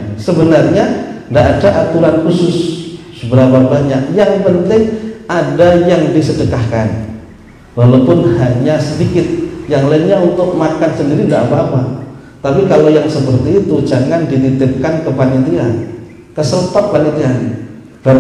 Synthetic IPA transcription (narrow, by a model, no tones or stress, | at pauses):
səbənarɲandaʔadaʔat̪uɾankusʊs | əbəɾapabaɲakjaŋpənt̪ɪŋadajaŋdisədəkahkan | walawpʊnɦaɲasədikɪt̪̚jaŋlainɲaunt̪ʊk̚makansəndiɾidaʔapaːpa | t̪apikalojaŋsəpərt̪iːt̪ud͡ʒaŋandit̪it̪ɪp̚kankəpanit̪ian | kəsəlt̪ɔʔ̚panit̪ian | ba